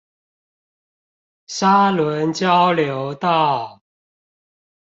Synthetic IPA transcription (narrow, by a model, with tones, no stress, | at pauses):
sa˦lwə˨˦nt͡ɕjɑ˦ʊljo˨˦ʊt̪ɑ˥˨